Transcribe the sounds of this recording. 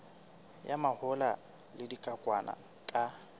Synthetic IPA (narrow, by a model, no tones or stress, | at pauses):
jamahʊla | lɪdikʼakʼwana̰ | kʼa